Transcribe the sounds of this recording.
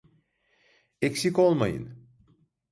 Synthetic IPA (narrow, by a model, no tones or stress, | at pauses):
ecsiko̞lˠmajɯ̰n